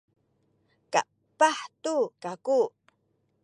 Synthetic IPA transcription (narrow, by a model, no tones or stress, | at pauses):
ka̰ | pːaħt̪ukaku